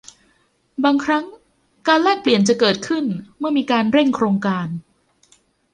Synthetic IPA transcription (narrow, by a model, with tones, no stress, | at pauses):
baː˧ŋkʰɾa˦˥ŋ | kaː˧nlɛː˥˩k̚pli˨˩ənt͡ɕa˨˩kɤː˨˩t̪̚kʰɯ˥˩nmɯ˥˩ɐmiː˧kaː˧nɾe˥˩ŋkʰɾoː˧ŋkaː˧n